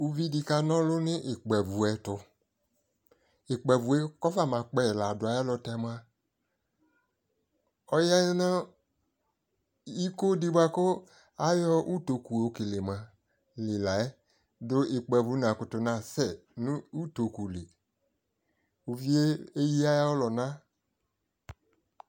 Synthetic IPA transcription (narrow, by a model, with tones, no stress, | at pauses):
u˨vi˦di˧ka˧nɔ̃˦lʊ˦nɪ̃˦ʔɪ˨k͡pɛ˨vu˨ɛ˨tʊ˧ | ɪ˨k͡pɛ˨vu˨ɛ˦kɔ˦fa˦˨mã˨k͡pɛ˦˨la˨dʊ˨a˨˦a˦lɔ˧tɛ˧˦m˦a˦ | ɔ˦ja˦jɔ˦nã˦ | i˦ko˦di˦bʷa˦kʊ˦ | a˦jɔ˦ʔu˦to˨ku˨o˨˦ke˨le˨mã˨ | lɪ˨la˨ɛ˦ | dʊ˦ɪ˨k͡pɛ˨vu˨˦n˨ã˨kʊ˨tʊ˨nã˨sɛ˦˨nũ˦u˦to˨ku˨le˨ | u˨vi˦e˦e˦ji˦a˦ja˦ɔ˦lɔ˨nã˦